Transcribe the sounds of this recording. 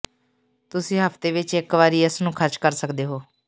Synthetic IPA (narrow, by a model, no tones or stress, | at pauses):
t̪ʊsĩːɦəpʰt̪eːʋɪt͡ʃɪkʋaːɾiːəsnũːkʰəɾt͡ʃkəɾsəkd̪eːɦoː